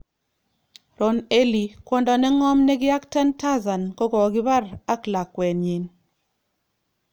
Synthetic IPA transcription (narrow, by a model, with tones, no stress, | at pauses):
ɾo˨ne˦li˨kwɔ˦ndɔ˨nɛ˦ŋɔ˦mnɛ˦ɡɪ˦a˦kta˦nta˦za˨nkɔ˦ɡɔ˨ɡɪ˦ba˦ɾa˦kla˨kːwɛ˨nɲe˨n